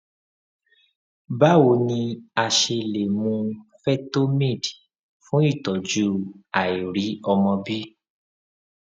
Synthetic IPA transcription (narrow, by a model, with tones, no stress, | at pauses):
ba˦wo˨˧˦nĩ˧a˧ʃe˧le˨mũ˧fɛ˦to˦mẽ˦˨d | fũ˦i˦˨tɔ˨d͡ʒu˦a˨i˨ɾi˨˦ɔ˧mɔ̃˧bi˦